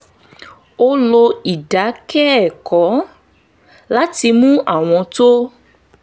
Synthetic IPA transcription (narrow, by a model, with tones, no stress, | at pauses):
o˦lo˧i˨da˨˦kɛ˦˨kɔ˨˦ | la˦ti˧mũ˦ʔa˨w̃ɔ̃˧to˦